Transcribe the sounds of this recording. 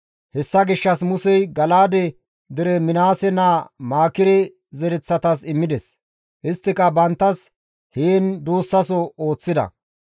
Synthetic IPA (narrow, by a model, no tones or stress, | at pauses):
hɛsːɐɡɪʃːɐsmʊsɛjɡɐlaːd̪ɛ | d̪ɪɾɛmɪnaːsɛnaːmaːkɪɾɛ | zɛɾɛt͡sːɐt̪ɐsɪmːɪd̪ɛs | ʔɪst̪ːɪkɐbɐnt̪ːɐs | heːnd̪uːsːɐsɔo̞ːt͡sːɪd̪ɐ̰